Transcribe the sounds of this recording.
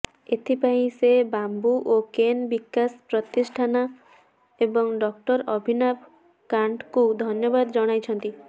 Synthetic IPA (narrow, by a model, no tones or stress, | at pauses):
et̪ʰipaĩsebambuʔokenbikːaspɾɔt̪isʈʰana | ebɔŋɖɔkʈɔɾɔbʱinab̚ | kaɳʈkud̪ʱɔnjɔbad̪ɔd͡ʒɔɽ̃ajt͡ʃʰɔnt̪i